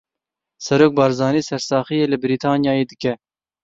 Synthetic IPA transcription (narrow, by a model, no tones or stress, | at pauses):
sɛɾoːk̚bɑːɾzɑːniːsɛɾsɑːχijeːlɨbɨɾiːt̪ʰɑːnjɑːjeːd̪ɨkɛ